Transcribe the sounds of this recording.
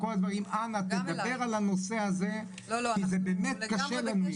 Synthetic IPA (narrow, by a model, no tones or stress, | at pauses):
ko̞lad̪vaʁimanat̪ed̪abe̞ʁalano̞se̞aze̞ | izebeːmet̪kaʃelanu